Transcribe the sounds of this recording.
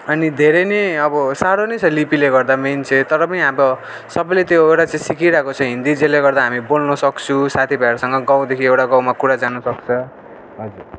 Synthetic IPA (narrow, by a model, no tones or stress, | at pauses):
ʌnid̪ʱeɾeneʌbʌsaɾonʌjt͡sʰʌlipileɡʌrd̪ament͡sʰet̪ʌɾʌpʌniɦabʌ | sʌbʌjlet̪joewʈat͡saĩsikiɾakot͡sʰʌɦĩnd̪id͡zeleɡʌrd̪aɦamibolnʌsʌkt͡sʰũsat̪ʰibʱaeɾsʌŋɡʌɡãw̃d̪ekʰiewʈaɡaw̃makuɽad͡zanʌsʌk̚t͡sʰʌ | ɦʌd͡zuɾ